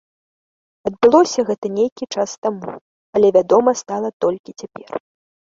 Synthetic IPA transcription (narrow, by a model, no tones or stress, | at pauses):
ɐd̪̚bɨlˠɔsʲɐɣɛt̪ɐnʲejkʲit͡ʂast̪amṵ | ɐlʲɛvʲad̪ɔmɐst̪alˠɐt̪ɔlʲkʲit͡sʲapʲɛr